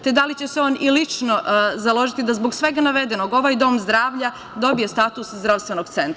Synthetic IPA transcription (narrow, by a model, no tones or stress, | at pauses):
t̪e̞d̪alit͡ɕe̞seo̞ːnilit͡ʃnozalˠo̞ʒit̪id̪azboɡsʋe̞ɡanaʋe̞d̪e̞noɡo̞ʋajd̪o̞ːmzd̪ɾaːʋʎa | d̪o̞bijest̪at̪uszd̪ɾaʋst̪ʋenoɡt̪se̞nt̪ɾa